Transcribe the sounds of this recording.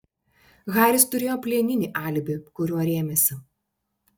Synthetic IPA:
ɣɑːɾʲɪst̪ʊɾʲeːjoːpʲlʲiɛnʲɪnʲiːʔɑˑlʲbʲɪkʊɾʲuɔɾʲeːmʲɛsʲɪ

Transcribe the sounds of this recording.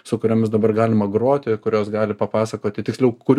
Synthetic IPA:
sʊkʊɾʲoːmʲɪsd̪ɐbɐrɡɑːlʲɪmɐɡroːt̪ʲɪkʊɾʲoːsɡɑːlʲɪpɐpɑːsɐkoːt̪ʲɪt̪ʲɪksʲlʲɛʊkʊ

